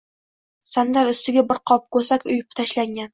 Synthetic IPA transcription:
sand̪aɾʊst̪ɪɡʲabɪɾqʰɒp̚kɵɾsakʲʊjɪp̚t̪ʰaʃlaŋɡʲan

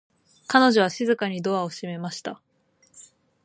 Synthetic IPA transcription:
kano̞ʑo̞β̞aɕizɨkaɲ̟id̪o̞βaoɕime̞maɕi̥t̪a

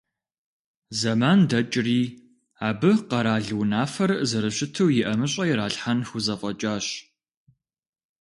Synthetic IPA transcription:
zɐmaːndɐt͡ʃʼriː | aːbɨqɐɾaːɮɨwnaːfɐrzɐɾɨɕɪtʰɐwjɪʔɐmɨɕʼɐjɪɾaːɬħanxʷʊzɐfʼɐt͡ʃʼaːɕ

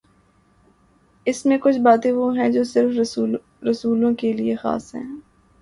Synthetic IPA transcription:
ɪsmẽkʊt͡ʃʰbaːt̪ẽʋoɦɛ̃d͡ʒoːsɪɾf | ɾɐsuːlõkeliexa̰ːsɦɛ̰̃ː

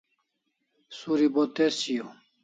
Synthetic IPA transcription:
suɾibot̪esijo

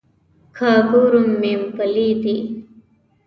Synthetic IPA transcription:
kʰaːɡuɾumːimpɐliːt̪i

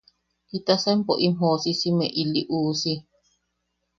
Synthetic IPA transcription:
it̪asempoʔim̥osisimẽʔiliʔuːsi

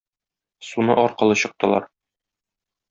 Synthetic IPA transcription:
sunɤʔɒɾqɤ̆lˠɤɕɤ̆q̚t̪ɤ̆lˠɑ̰ɾ

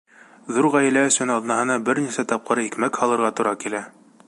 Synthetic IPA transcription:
ðuɾʁæjɘ̆læɵ̆sɵnɑðnɑɦɤ̆nɑbɘɾnisæt̪ɑp̚qɤ̆ɾɤikmækhɑlˠɤ̆ɾʁɑt̪ŏɾɑkilæ

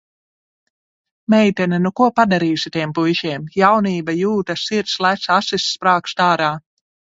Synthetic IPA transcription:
mɛjt̪ɛnɛnukuɔpad̪aɾiːsit̪ʲiɛmpujʃiɛmjawniːbajuːt̪asiɾt̪slˠæt̪sasisːpɾaːkst̪aːɾaː

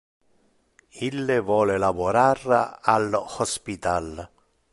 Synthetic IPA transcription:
ilːɪvwɔːlɪlavʊɾaralhɔspit̪al

